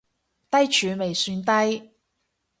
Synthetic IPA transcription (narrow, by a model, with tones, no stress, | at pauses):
t̪ɐ˥jt͡ʃʰyː˨˧me˨jsyː˧nt̪ɐ˥j